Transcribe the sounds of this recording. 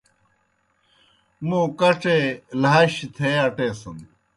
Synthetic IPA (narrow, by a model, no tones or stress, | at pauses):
mũːkɐʈ͡ʂelaːɕit̪ʰeːɐʈeːsɐn